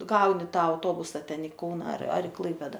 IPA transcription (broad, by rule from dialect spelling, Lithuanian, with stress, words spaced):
ˈɡɐʊnʲɪ ˈtɑː ɐʊˈtoːbʊsɐ ˈtʲɛn ɪ ˈkɐʊnɐ ɐr ɐr ɪ ˈklˠɐɪpʲeːdɐ